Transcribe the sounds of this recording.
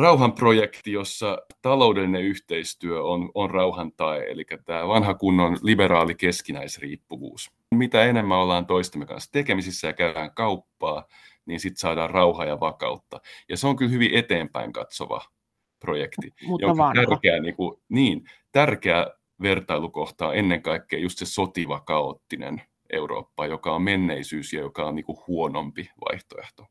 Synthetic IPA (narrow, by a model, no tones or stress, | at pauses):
rɑuɦɑmprojekt̪ijosːɑt̪ɑlo̞udelineyht̪eist̪yøononrɑuhɑnt̪ɑeḛlikːæt̪æːʋɑnɦɑkunːonlibeɾɑːlikeskinæisrḭːpːuʋṵːs | mit̪æenemːæolːɑːnt̪oist̪ɑmːekɑ̰nst̪ekemisisːæjɑkæyæːŋkɑupːɑː | niːnsit̪sɑːdɑːrrɑuhɑjɑʋɑkɑ̰ut̪ːɑjɑseoŋkylhyʋiʔet̪eːmpæ̰iŋkɑ̰t̪so̰ʋɑ̰ | projekt̪iuʔot̪ærkeæniːŋkuniːnt̪ærkeæ | ʋert̪ɑilukoht̪ɑ̰ːenːeŋkɑikːeːjust̪sesot̪iʋɑkɑot̪ːinḛn | ʔḛuro̰ːpːɑjokɑommenːeisyːsjɑjokɑonniːŋkuhuonompiʋɑ̰iht̪oeht̪o̥